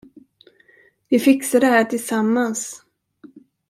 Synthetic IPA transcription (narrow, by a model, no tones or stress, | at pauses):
vɪfɪksadɛhæːʈʰɪlsamːans